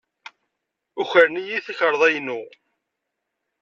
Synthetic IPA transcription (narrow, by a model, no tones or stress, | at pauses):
ʊçəɾnijiθəçəɾˤðˤæjnu